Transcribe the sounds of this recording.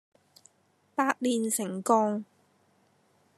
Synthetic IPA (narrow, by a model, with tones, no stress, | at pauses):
paː˧˥t̚liː˨˩nsɪ˨˩ŋkɔː˧ŋ